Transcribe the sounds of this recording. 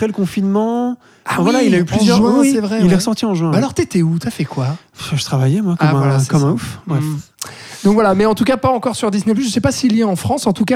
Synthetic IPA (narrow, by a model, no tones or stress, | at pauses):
apχɛləkɔ̃finmɑ̃ | ãvwalailayplyzjœʁʒwɛ̃wisɛvʁɛilɛʁəsɔʁt̪iɑ̃ʒɥɛ̃balɔʁt̪ɛt̪ɛut̪yafɛkwa | ʒət̪χavajɛmwakɔaṽwalaskɔmɛ̃ufbʁɛ | d̪ɔ̃kvwalamɛɑ̃t̪ukapaɑ̃kɔʁsyʁd̪isnɛp̬lyʒəsɛpasiljɛɑ̃fχɑ̃sɑ̃t̪uka